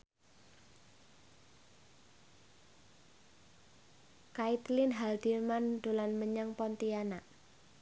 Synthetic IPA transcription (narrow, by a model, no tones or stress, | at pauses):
kait̪lɪnɦald̪irmand̪̥o̤lanməɲaŋpɔnt̪ianaʔ